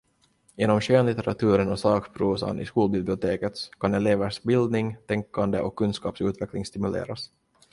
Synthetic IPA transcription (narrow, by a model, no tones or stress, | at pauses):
jeːnɔmɕøːnlɪt̪ɛɾat̪ʰʉ̟ːɾənɔsɑːkpʰɾuːsa̰nʔɪ̰skuːlbɪblɪʊt̪ʰeːkət̪skʰanɛleːvəʂbɪld̪nɪŋt̪ʰɛŋkʰːand̪əʔɔkʰːɵnskɑ̰ːpsʉ̟ːt̪vɛklɪŋst̪ɪmɵlḛːɾas